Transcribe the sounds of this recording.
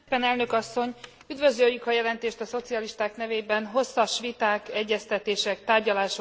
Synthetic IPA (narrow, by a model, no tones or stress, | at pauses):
pɛnɛlnø̞kɒsːo̞ɲ | yd̪vø̞zøjːykɒjɛlɛnt̪eːʃt̪ɒso̞t̪siɒliʃt̪aːknɛveːbɛnɦo̞sːɒʃʋit̪aːkɛɟːɛst̪ɛt̪eːʃɛkt̪aːrɟɒlaːʃo